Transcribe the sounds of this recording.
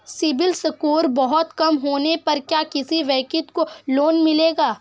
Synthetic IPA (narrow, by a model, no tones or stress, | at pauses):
sɪbɪlsɐkuːɾbɔɦɔt̪kɐmɦoːnepɐɾkjaːkɪsiʋɛːkɪt̪koloːnmɪleːɡaː